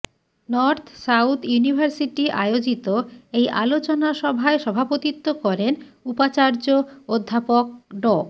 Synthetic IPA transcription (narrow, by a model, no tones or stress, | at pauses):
nɔɾt̪ʰsawt̪ʰjunibʱaɾsiʈiʔa̰jod͡ʑit̪oejʔa̰lot͡ɕonaʃɔbʱaeʃɔbʱapot̪it̪ːokɔɾenupat͡ɕaɾd͡ʑood̪ʱːapok̚ɖɔ